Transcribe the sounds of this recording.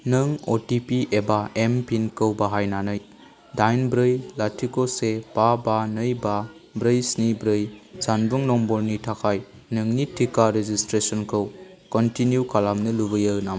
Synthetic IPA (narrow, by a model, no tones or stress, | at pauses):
nɯŋotipiʔebaempinkəwbaɦajnanɯj | dajnbɾɯjlatʰikosepabanɯjbabɾɯjsnibɾɯjzanbuŋnɔmbɔɾnitʰakʰaj | nɯŋnitʰikaɾezistɾesɔnkʰɐw | kɔntinjukalamnɐlubɐjɯnam